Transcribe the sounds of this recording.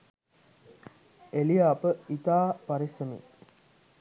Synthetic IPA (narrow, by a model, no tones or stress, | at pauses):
elijaːpəit̪aːpaɾisəmḭ